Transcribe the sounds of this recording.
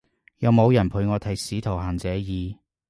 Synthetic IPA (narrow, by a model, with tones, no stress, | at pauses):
jɐ˨˧wmo˨˧wjɐ˨˩npʰuː˨˧jŋɔː˨˧t̪ʰɐ˨˥jsiː˨˥t̪ʰo˨˩wɦaː˨˩nt͡sɛː˨˧˥jiː˨˧